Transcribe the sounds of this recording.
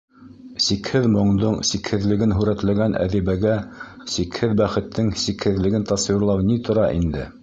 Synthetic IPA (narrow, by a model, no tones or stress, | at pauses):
sikhɘðmŏɴd̪oɴsikhɘ̆ðlɘ̆ɡɘnɦʉɾæt̪læɡænʔæ̰ðiβæɡæ | sikhɘðbæχɘ̆t̪ʰːɘŋsikhɘ̆ðlɘ̆ɡɘnt̪ɑswiɾlˠɑwnit̪ʰŏɾɑʔḭnd̪ɘ̰